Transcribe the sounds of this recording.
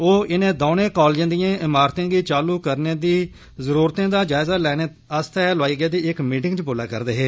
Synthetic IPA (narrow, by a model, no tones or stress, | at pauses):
oːʔɪnẽːd̪oːnẽːkɔːld͡ʒãːnd̪ijãːʔɪmaːɾt̪ẽːɡiːt͡ʃaːluːkəɾneːd̪iː | zəɾuːɾt̪ẽːd̪aːd͡ʒaːɪzaːlɛːneː | əst̪ɛːlʊaːiːɡaːd̪iːɪkmiːʈɪ̃ŋɡt͡ʃəboːlaːkə̰ɾd̪eːɦeː